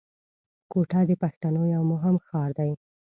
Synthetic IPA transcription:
koʈad̪əpaxt̪anojawmʊɦɪmxɑɾd̪aj

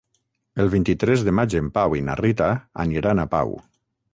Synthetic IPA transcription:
elˠβint̪it̪ɾɛzðemad͡ʒempawina̰rit̪aa̰niɾanapa̰w

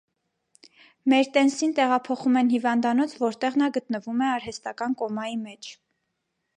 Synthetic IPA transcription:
mɛɾt̪ɛnsint̪ɛʁɑpʰɔχumɛnhivɑnd̪ɑnɔt͡sʰvɔɾt̪ɛʁnɑɡət̪nəvumɛɑɾɦɛst̪ɑkɑnkɔmɑjimɛt͡ʃʰ

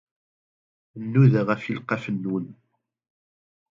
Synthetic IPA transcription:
nːuðəʁæfilqɑfənːun

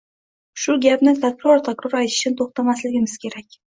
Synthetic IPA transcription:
ʃʊɡʲapnɪt̪ʰakɾɒɾt̪ʰakɾoɾajt̪ʰɪ̥ʃɪnɪt̪ʰoχt̪ʰamaslɪɡʲɪmɪz̥kʲʰe̞ɾakʲ

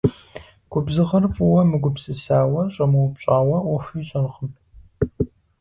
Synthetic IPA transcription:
ɡ̥ʷʊbzɨʁɐrfʼuwɐmɨɡʷʊpsʼɨsaːwɐɕʼɐmɐwʊpɕʼaːwɐwɐɕʷiːɕʼɐrχəm

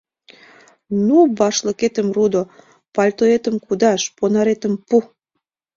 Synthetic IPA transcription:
nubɑʃləket̪ə̆mrud̪o | pɑlʲt̪oet̪ə̆mkud̪ɑʃponɑɾet̪ə̆mpu

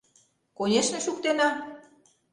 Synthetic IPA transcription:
kojeʃnĕʃukt̪enɑ

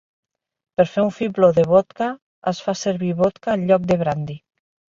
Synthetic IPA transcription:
peɾfeuɱfiploðeβot̪ka | asfaseɾβiβot̪kaːlʎɔk̚d̪eβ̞ɾand̪i

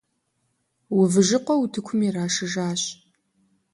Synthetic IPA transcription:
wʊvɨʒɨqʷɔutʰɨkʷʰʊmiraːʂɨʒaːɕ

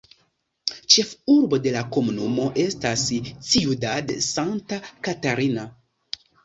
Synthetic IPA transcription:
t͡ʃe̞fuɾbo̞de̞lako̞munumo̞ʔe̞stast͡sijudadesantakataɾina

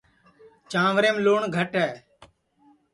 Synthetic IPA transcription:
t͡ʃãːʋɾeːmloːɳɡʱəʈɦɛː

